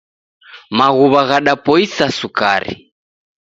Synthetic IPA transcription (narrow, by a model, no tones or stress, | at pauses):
maɣuβaɣaɗapɔisasuka̰ɾḭ